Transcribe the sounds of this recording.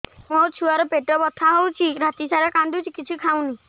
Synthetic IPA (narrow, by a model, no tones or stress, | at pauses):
mɔɾt͡ʃʰuaɾɔpeʈɔbɔt̪ʰaɦɔwt͡ʃʰiɾat̪isaɾɔkãnd̪ut͡ʃʰikit͡ʃʰikʰaw̃ni